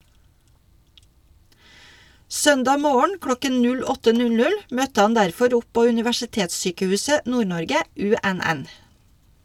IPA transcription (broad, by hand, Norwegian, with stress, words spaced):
ˈsœndɑː ˈmoːəɳ ˈklɔkən ˈnʉl ˈɔtə ˈnʉl ˈnʉl ˈmœtə ˈhɑn ˈdæɾfɔɾ ˈɔp ˈpoː ʉnɪʋæʃɪˈteːtsˌsyːkəˌhʉːsə ˈnuːˌɳɔɾɡə ˈʉˌæˌnæn